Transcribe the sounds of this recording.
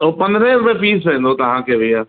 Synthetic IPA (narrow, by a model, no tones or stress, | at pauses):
opɐ̃nd̪ɾẽbepiːsẽːnd̪ot̪ɐɦãkebiaː